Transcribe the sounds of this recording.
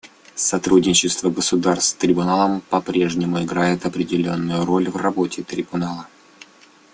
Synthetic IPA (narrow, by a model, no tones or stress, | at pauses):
sɐt̪ɾudʲnʲɪt͡ɕɪst̪vəɡəsʊd̪arst̪t̪ɾʲɪbʊnalˠəmpɐpɾʲe̞ʐnʲɪmʊɪɡɾajɪt̪ɐpɾʲɪdʲɪlʲo̞nːʊjʊɾo̞lʲvrɐbo̞tʲɪt̪ɾʲɪbʊnalˠə